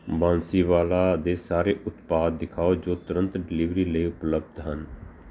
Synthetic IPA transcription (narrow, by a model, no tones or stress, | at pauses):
bãːnsiːʋaːlaːd̪eːsaːɾeːʔʊt̪paːd̪̚ːɪkʰaːod͡ʒoːt̪ʊɾə̃nt̪ɖɪliːʋɾiːləiːʊpləb̚d̪ɦən